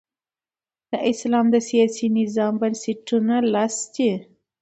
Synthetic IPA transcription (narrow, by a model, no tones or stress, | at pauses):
d̪̥əʔɪslɑmd̪əsijɑsinɪzɑmbansɪʈunalɑst̪i